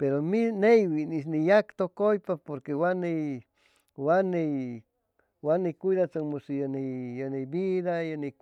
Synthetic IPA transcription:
peɾominejwinis̬nijakt̪okojpapoɾkewanej | wanej | wanejkʷijðat͡saŋmusijanejanejbiðajane

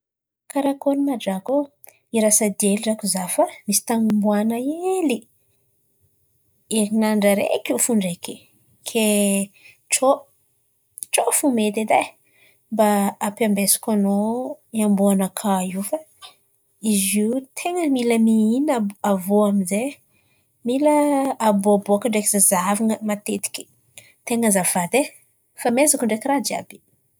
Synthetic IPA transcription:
kaɾakonimaɖ͡ʐako | iɾasad̪eliɖ͡ʐakuzafamisi̥t̪aŋumbuanaeli | eɾinaɳɖ͡ʐəɾḛkufuɳɖ͡ʐeki | kʰe | ʈ͡ʂo | ʈ͡ʂofumet̪ed̪a | mbaapiambesi̥kʲanoiambuanakʰaiwfa | iziwt̪ʰeŋəmiləmiinaavoamize | miləːboaboakəɳɖ͡ʐekizazaviŋəmat̪et̪i̥kʲi̥ | t̪eŋəzavad̪e | famezakuɳɖ͡ʐekʲirad͡ʒia̰b̥i̥

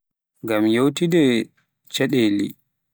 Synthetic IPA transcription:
ŋɡamjowtidɛ | t͡ʃɛɗɛlḭ

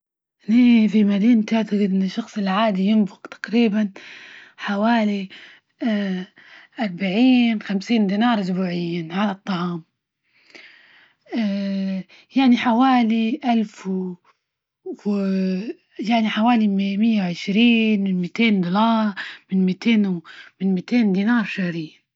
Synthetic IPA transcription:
neːfimad̪iːnt̪aʕt̪aɣɪd̪ɪnːɪʃːɑxsˤɪlʕaːd̪ijɪnbʊqt̪ḁqɾiːban | ħawaːli | ʔɑɾˤbaʕiːnxamsiːnd̪iːnɑːɾˤsbuːʕɪjːanʕalɑt̪ˤːɑʕɑːm | jaʕniħawaːliʔalf | w | jaʕniħawaːlimmɪjːawʕɪʃɾiːnmɪnmit̪eːnd̪ʊlɑːɾˤmɪnmit̪ʰeːnwmɪnmiːt̪eːnd̪iːnɑːɾˤʃahɾɪjːa

